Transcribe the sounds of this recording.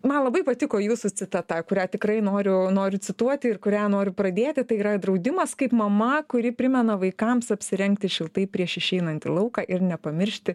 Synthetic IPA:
mɐnlˠɐbɐɪpɐt̪ʲɪkoːjuːsʊt͡sʲɪt̪ɑt̪ɑːkʊɾʲæːt̪ʲɪkɾɐɪnoːɾʲʊnoːɾʲʊt͡s̪ʲɪt̪uɔt̪ʲɪɪrkʊɾʲæːnoːɾʲʊpɾɐd̪ʲeːt̪ʲɪt̪ɐɪiːɾɐd̪ɾɐʊd̪ʲɪmɐskɐɪpmɐmɐkʊɾʲɪpʲɾʲɪmʲɛnɐʋɐɪkɐmsɐpʲsʲɪɾʲɛŋk̚t̪ʲɪʃʲɪlˠt̪ɐɪpʲɾʲiɛʃɪʃʲɛɪnɐnʲt̪ʲɪ̰lˠɐʊkɑʔɪrnʲɛpɐmʲɪɾʲʃʲt̪ʲɪ

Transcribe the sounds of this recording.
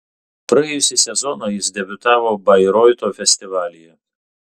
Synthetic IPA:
pɾɐɛjʊsʲɪsʲɛzɔnoːjɪsd̪ʲɛbʲʊt̪ɑːʋoːbɐɪɾɔɪt̪oːfʲɛsʲt̪ʲɪʋɑːlʲɪjɛ

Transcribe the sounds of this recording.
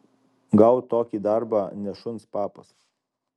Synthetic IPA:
ɡɐʊt̪oːkʲiːd̪ɐɾbɑːnʲɛʃʊnspɑːpɐs

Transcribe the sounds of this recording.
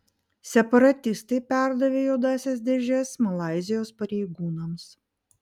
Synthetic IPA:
sʲɛpɐɾɐt̪ʲɪst̪ɐɪpʲæˑɾd̪ɐʋʲeːjoːd̪ɑːsʲɛs̬d̪ʲɛʒʲɛsmɐlˠɑˑɪzʲɪjoːspɐɾʲɛɪɡuːnɐms

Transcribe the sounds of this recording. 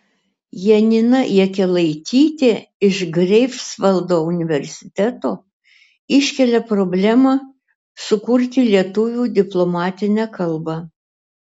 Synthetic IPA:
jɛnʲɪnɐʔiɛkʲɛlˠɐɪt̪ʲiːt̪ʲeɪʃɡɾʲɛɪfsʋɐlˠd̪oːʊnʲɪʋʲɛɾʲsʲɪ̥t̪ʲæt̪oː | ɪʃʲkʲɛlʲɛpɾoːbʲlʲæmɑ | sʊkʊɾʲt̪ʲɪlʲiɛt̪ʊʋʲuːd̪ʲɪplˠɔmɑːt̪ʲɪnʲækɐlˠbɑ

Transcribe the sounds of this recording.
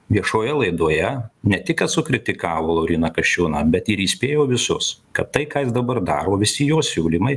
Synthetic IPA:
ʋʲiɛʃoːjɛlˠɐɪd̪uɔjɛnʲɛt̪ʲɪkɐt̪sʊkɾʲɪt̪ʲɪkɑːʋoːlˠoːɾʲiːnɐkɐʃʲt͡ʃʲʊːnɑːbʲɛt̪ɪɾiːsʲpʲeːjoːʋʲɪsʊskɐtt̪ɐɪkɑːjɪsd̪ɐbɐɾd̪ɑ̰ːɾoːʋʲɪsʲɪjoːsʲuːlʲɪmɐɪ

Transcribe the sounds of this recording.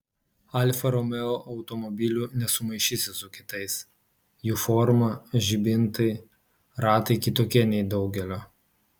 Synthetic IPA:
ɐlʲfɐɾɔmʲɛoʔɐʊt̪ɔmɔbʲɪlʲuːnʲɛsʊmɐɪʃʲisʲɪsʊkʲɪt̪ɐɪs | juːfɔɾmɐʒʲibʲɪnt̪ɐɪ | ɾɑːt̪ɐɪkʲɪt̪oːkʲiɛnʲɛɪd̪ɒʊɡʲɛlʲoː

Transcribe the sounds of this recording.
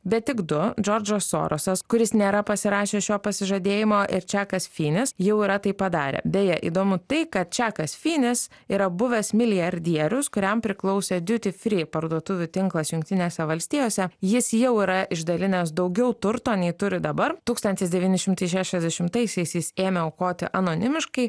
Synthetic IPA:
bʲɛt̪̚t̪ʲɪkd̪ʊd͡ʒoːɾʲd͡ʒosːo̰ːɾʔosɐskʊɾʲɪsnʲeːɾɐpɐsʲɪɾɑːʃʲeːsʃʲoːpɐsʲɪʒɐd̪ʲeːjɪmoːʔɪɾt͡ʃʲæːkɐsfʲiːnʲɪsjɛʊiːɾɐt̪ɐɪpɐd̪ɑːɾʲḛːbʲejɛʔḭːd̪oːmʊt̪ɐɪkɐt̪̚t͡ʃʲæːkɐsfʲiːnʲɪs | iːɾɐbʊʋʲɛsmʲɪlʲɪjɐɾʲd̪ʲiɛɾʲʊskʊɾʲɛmpʲɾʲɪklˠɒʊsʲeːd̪ʲʊt̪ʲɪfʲɾʲɪpɐɾd̪uɔt̪ʊʋʲʊt̪ʲɪŋklˠɐsjʊŋkt̪ʲɪnʲeːsʲɛʋɐlʲsʲt̪ʲiːjoːsʲɛjɪsjɛʊiːɾɐʔɪʒd̪ɐlʲɪnʲɛs̬d̪ɐʊɡʲɛʊt̪ʊɾt̪oːnʲɛɪt̪ʊɾʲɪd̪ɐbɐɾt̪uːkst̪ɐnʲt̪ʲɪsd̪ʲɛʋʲiːnʲɪʃʲɪmt̪ɐɪʃʲæːʃʲɛzʲd̪ʲɛʃʲɪmt̪ɐɪsʲɛɪsjɪseːmʲɛoʊkoːt̪ʲɪʔɐnoːnʲɪmʲɪʃkɐɪ

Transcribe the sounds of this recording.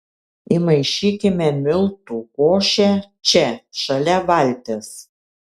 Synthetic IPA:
imɐɪʃʲiːkʲɪmʲɛmʲɪlˠt̪uːˑkoːʃʲɛ | t͡ʃʲɛʃɐlʲɛʋɐlʲt̪ʲes

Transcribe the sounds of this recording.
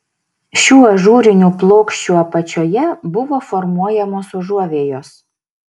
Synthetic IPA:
ʃʲuːɐʒuːɾʲɪnʲuːplˠoːkʃʲt͡ʃʲuːɐpɐt͡ʃʲoːjɛbʊʋoːfɔɾmuɔjɛmoːsʊʒuɔʋʲeːjoːs

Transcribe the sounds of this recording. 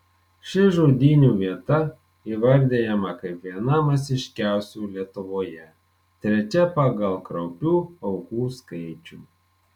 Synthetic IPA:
ʃʲɪʒoːd̪ʲinʲuːʋʲiɛt̪ɐ | iːʋɐɾʲd̪ʲeːjɛmɐkɐɪpʋʲiɛnɐmɐsʲɪʃʲkʲæˑʊsʲuːlʲiɛt̪ʊʋoːjɛ | t̪ʲɾʲɛt͡ʃʲɛpɐɡɐlˠkɾɐʊpʲuːɒʊkuːskɐɪt͡ʃʲuː

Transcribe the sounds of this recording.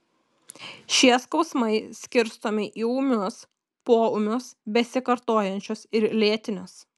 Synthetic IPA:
ʃʲiɛskɔʊsmɐɪsʲkʲɪɾst̪oːmʲɪʔiːʊmʲʊs | poːʊmʲʊsbʲɛsʲɪkɐɾt̪oːjɛnʲt͡ʃʲoːsɪɾlʲeɛt̪ʲɪnʲos

